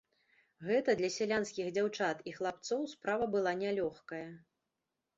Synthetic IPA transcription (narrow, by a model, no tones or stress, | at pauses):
ɣɛt̪ɐd̪lʲɐsʲɛlʲanskʲiɣd͡zʲawt͡ʂat̪ixlˠap̚t̪sɔwspɾavɐbɨlˠanʲalʲɔxkɐjɐ